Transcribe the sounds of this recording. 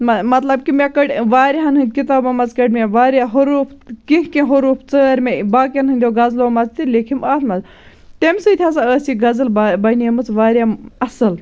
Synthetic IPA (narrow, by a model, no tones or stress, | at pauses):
mɐmɐt̪lɐb̚kimʲekɐʈʲʋaːɾʲiɦɐnɦɨnd̪̚ʲkit̪aːbɐmɐt͡skɐʈʲmʲeʋaːɾʲaɦuɾuːfkĩkkẽɦuɾuːpʰt͡səːɾʲmebaːkʲɐnɦɨnd̪ʲjoɡɐzloːmɐt͡st̪ilekʰimaːt̪ʰmɐt͡s | t̪emʲsɨt̪ʰʲjaːsaəːsiɡɐzɨlbɐniɐmɨt͡sʋaːɾʲjaɐsɨl